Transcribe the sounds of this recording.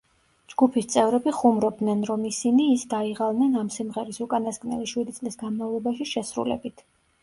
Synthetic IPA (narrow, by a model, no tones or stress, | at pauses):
d͡ʒɡupʰist̪sʼɛvɾɛbiχumɾɔb̚d̪nɛnɾɔmisiniːsd̪aiʁalˠnɛnamsimʁɛɾisukʼanaskʼnɛ̰liʃwid̪it̪ʼlisɡanmavlˠɔbaʃiʃɛsɾṵlɛ̰bit̪ʰ